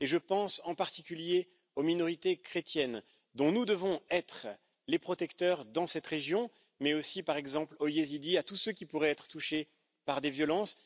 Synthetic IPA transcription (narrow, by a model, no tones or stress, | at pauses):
eʒəpɑ̃sɑ̃paʁt̪ikʲylje | ominɔʁit̪ekχet̪jɛn | d̪ɔ̃nud̪əvɔ̃ɛt̪χ | lepχɔt̪ɛkt̪œʁd̪ɑ̃sɛt̪ʁeʒjɔ̃ | mɛosipaʁɛɡzɑ̃plojezid̪iat̪usøkʲipuʁɛɛt̪χə̥t̪uʃe | paʁd̪evjɔlɑ̃s